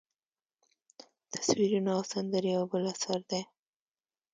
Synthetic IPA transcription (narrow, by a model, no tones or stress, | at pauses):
t̪ʰḁswiɾunaawsand̪əɾiawbəlasaɾd̪ej